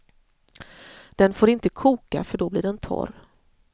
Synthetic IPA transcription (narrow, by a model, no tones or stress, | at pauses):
d̪̥ɛnfoːɾɪnt̪əkʰuːka̰fœɖɔbliːɖɛnt̪ʰɔ̰r